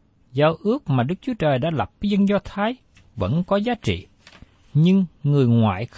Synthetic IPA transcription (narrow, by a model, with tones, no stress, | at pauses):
zaː˧wʔɨ˦˥ək̚maː˨˩ɗɨ˦˥k̚t͡ɕu˨˦ət͡ɕəː˨˩jɗa̰ː˧˥la˨˩p̚və˨˦zə˧nzɔ˧t̪ʰaː˨˦j | və̰˧˥nkɔ˨˦zaː˨˦t͡ɕḭ˧˨ | ɲɨ˧ŋŋɨ˨˩əjŋwa̰ː˧˨j